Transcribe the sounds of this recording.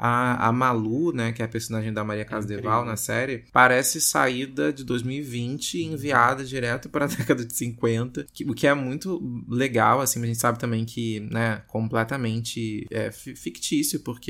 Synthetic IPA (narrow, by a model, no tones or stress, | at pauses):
aa̰malunɛkɪɛɐpeɾsõnaʒẽj̃d̪ɐmaɾiɐkazd̪evawnɐsɛɾɪpaɾɛsɪsa̰iɾd̪ɐd͡ʒɪd̪ojzmiwivĩnt͡ʃɪẽviad̪ɐd͡ʒiɾɛt̪ʊpɾɐd̪ɛkɐd̪ɐd͡ʒɪsĩŋkwẽnt̪ɐkɪʊkɪɛmũj̃t̪ʊleɡawasĩɐʒẽnt͡ʃɪ̥sabɪt̪ɐ̃mbẽj̃kʰɪnɛkõmplɛt̪ɐmẽnt͡ʃɪɛffikt͡ʃisjʊpʊɾke